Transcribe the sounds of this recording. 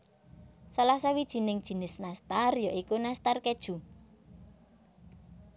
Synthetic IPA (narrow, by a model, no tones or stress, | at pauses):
salasawid̥ʒ̥i̤nɪŋd̥ʒ̥i̤nɪsnast̪arjɔʔikunast̪arked̥ʒ̥ṳ